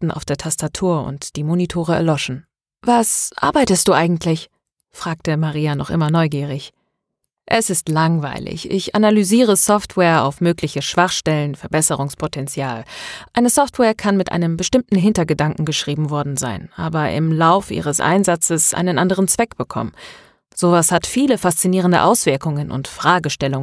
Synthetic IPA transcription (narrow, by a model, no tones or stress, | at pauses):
tn̩a̰ʊfd̥eːɐtʰastatʰuːɐʊ̰ntd̥iːmonitʰoːʁ̞əɛ̰ɐlɔʃn̩ | vasʔa̰ɐbaɪtəstd̥uːʔaɪɡŋ̩tʰlɪç | fʁ̥aːk̚təmaʁiːanɔχʔɪ̰mɐnɔʏɡiːʁ̞ɪç | ʔɛsɪstlaŋva̰ɪlɪ̰çʔɪ̰çʔa̰nalyziːʁ̞əsɔftʰvwɛːɐa̰ʊfmøːklɪçəʃv̥aχʃtɛlənfɛɐbɛsəʁʊŋspʰotʰɛnt͡sjaːlʔaɪnəsɔftwɛːɐkʰanmɪtʔa̰ɪnəmbəʃtɪmtn̩ɦɪntɐɡədaŋkŋ̩ɡəʃʁ̥iːbm̩vɔɐdn̩za̰ɪnʔa̰ːbɐʔɪ̰mlaʊfʔḭːʁəsʔa̰ɪnzat͡səsʔa̰ɪnənʔandəʁənt͡sv̥ɛkb̥əkʰɔ̰mən | z̥oːvashatfiːləfast͡siniːʁ̞əndə̰ʔaʊsv̥ɪɐkʊŋənʔʊ̰ntfʁ̥aːɡəʃtɛlʊŋə